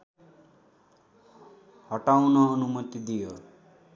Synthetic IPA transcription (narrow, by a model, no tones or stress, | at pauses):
hʌʈawnʌːnumʌt̪id̪ijo